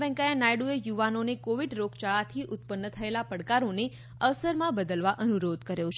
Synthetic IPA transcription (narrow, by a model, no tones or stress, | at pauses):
ʋɛ̃ŋkajanajɽuejuʋanonekoʋiɖɾoɡʰt͡ʃaɭat̪ʰiʔʊt̪̚pənːət̪ʰəelapəɽkaɾone | əʋsəɾmãbəd̪əlʋaʔənuɾod̪kəɾjot͡ʃʰ